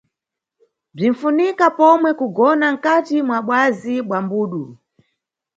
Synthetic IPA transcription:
b͡ʐin̩funikapɔmwɛkuɡɔnaŋ̩katimwaɓwaziɓwambuːɗu

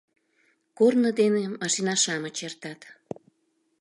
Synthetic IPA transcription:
kornəd̪enemɑʃinɑʃɑmət͡ɕert̪ɑt̪

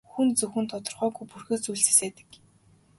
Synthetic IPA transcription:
xunt͡sɵxɘ̆nt̪ʰɔt̪ɞ̆rʁœːɡujpurxɘ̆ːt͡sujɮse̥seːt̪ɘ̥̆k

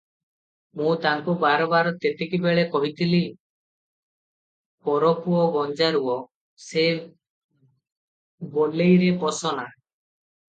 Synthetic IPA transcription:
mũt̪aŋkubaɾɔbaɾɔt̪et̪ekibeɭekɔɦit̪ili | pɔɾɔkuɔɡɔnd͡ʒaɾuɔ | se | bolejɾepɔsɔna

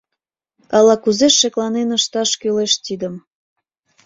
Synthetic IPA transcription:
ɑlɑkuzeʃːeklɑnenəʃt̪ɑʃkyleʃt̪id̪əm

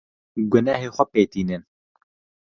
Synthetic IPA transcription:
ɡʊnaːɦeːxʷɛpeːt̪iːnɨn

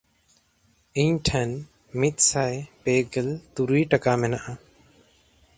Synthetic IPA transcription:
iɲʈʰɛn | mit̪̚sajpeɡɛlt̪uɾiʈakamɛnaʔa

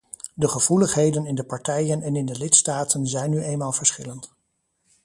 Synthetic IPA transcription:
dəχəv̥uləχɦejdənɪndəpɑɹtɛjənɛnɪndəlɪtstaːtənzɛjnyʔejnmaːlˠvəɹsχɪlənt

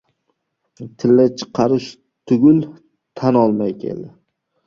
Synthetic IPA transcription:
t̪ʰɪlːat͡ʃʰɨ̥qʰːɑɾɪʃ | t̪ʰʊɡʲʊl | t̪ʰanɒlˠmajkʲʰḛld̪ɪ

